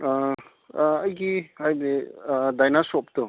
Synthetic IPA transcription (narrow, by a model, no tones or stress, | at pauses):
a | ɐjɡihajbedajnasɔp̚tɔ